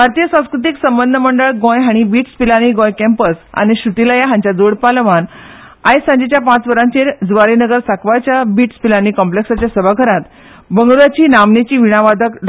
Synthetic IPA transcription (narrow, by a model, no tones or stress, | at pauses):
bʱaɾt̪ijəsãw̃skɾut̪iksəmbənd̪ʱəməɳɖəɭɡõjɦaɽ̃ibiːʈspilaniɡõjkɛ̃mpəsa̰ñiɕut̪ilajaɦãɲt͡ɕjad͡zoɽpaləʋan | ajsãɲd͡ʑet͡ɕjapãt͡sʋəɾãɲt͡ɕeɾd͡zʋaɾinəɡəɾsakʋajt͡ɕjabiʈspilanikɔmpleksat͡ɕjasəbʱaɡʱəɾat̪ | bəŋɡuɾat͡ɕiːnamnet͡ɕiːʋiɽ̃aʋad̪ʱəkɖ